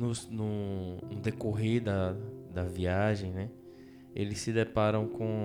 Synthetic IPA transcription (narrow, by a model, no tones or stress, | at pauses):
nʊsnʊnʊd̪ekoɦeɾd̪ɐd̪ɐviaʒẽj̃nɛ | elɪsːɪd̪ɛpaɾɐ̃w̃kõ